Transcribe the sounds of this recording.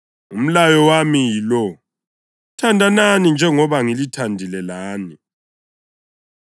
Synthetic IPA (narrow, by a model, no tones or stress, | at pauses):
um̩lajɔwamijilɔ | tʰandʱananind͡ʒʱɛŋɔβaŋilitʰandʱilɛlaːni